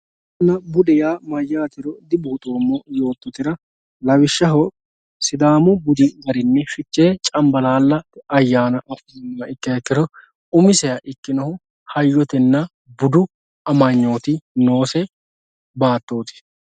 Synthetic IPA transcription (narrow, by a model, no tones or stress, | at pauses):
nːɐbʊd̪ɛjaːmɐjːaːt̪ɪɾɔd̪ɪbuːt̪ʼoːmːɔjo̞ːt̪ːɔt̪ɪɾɐ | lɐwɪʃːɐɦɔ | sɪd̪aːmɔbʊd̪ɪɡɐɾɪnːɛʃɪt͡ʃːeːt͡ʃʼɐmbɐlaːlːɐɐjːaːnɐʔɐfnːɐɪkːɪɐkːɪɾɔ | ʊmɪsɛjɐʔɪkːɪnɐhʊ | hɐjːɔt̪ɛnːɐ | bʊd̪ʊ | ɐmɐɲːo̞ːt̪ɪnoːsɛ | baːt̪ːo̞ːt̪ɪ̥